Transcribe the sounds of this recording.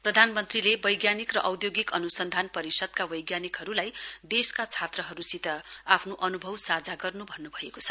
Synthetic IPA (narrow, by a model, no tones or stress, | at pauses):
prʌd̪ʱanmʌnt̪rilebʌjɡjanikrʌʔʌwd̪joɡikʌnusʌnd̪ʱanpʌɾisʌd̪̚kabʌjɡjanikɦʌɾulajd̪eskat͡sʰat̪rʌɦʌɾusit̪ʌapʰnoʔʌnubʱʌwsad͡zaɡʌrnubʱʌnːubʱʌekot͡sʰʌ̥